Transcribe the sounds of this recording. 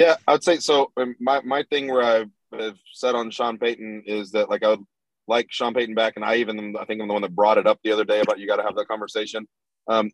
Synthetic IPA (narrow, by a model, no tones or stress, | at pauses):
jæaɪwəd̥seɪsoʊɨ̃nmaɪmaɪθɪ̃ŋwə˞aɪ | ɨv̥sɛɾn̩ʃɑ̃npʰeɪʔn̩ɪzðɨt̚laɪkaɪwəd | laɪkʃɑ̃npʰeɪʔn̩bækɨ̃naɪivɨ̃naɪθɪ̃ŋkãɪ̃mðwʌ̃nðət̚b̥ɹɔɾɨɾʌp̚ðiʌðə˞deɪɨbaʊt͡ʃɨɡɑɾɨəvðət̚kʰɑ̃ɱvə˞seɪʃɨ̃n | ʔʌ̃m